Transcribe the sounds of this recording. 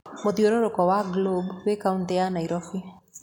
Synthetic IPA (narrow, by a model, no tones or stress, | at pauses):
moðioɾoɾokɔwaɡlobwekauntɛanaiɾɔfi